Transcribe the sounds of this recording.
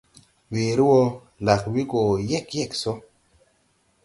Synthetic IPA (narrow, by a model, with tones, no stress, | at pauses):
weː˨ɾi˦wɔ˧ | la˨kwi˦ɡo˨jɛ˦˨kjɛ˦˨kso˦